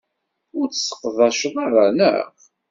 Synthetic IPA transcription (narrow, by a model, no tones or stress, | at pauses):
ʊɾt͡ssːə̥qːðˤɑʃəðˤɑɾˤɑnə̰ʁ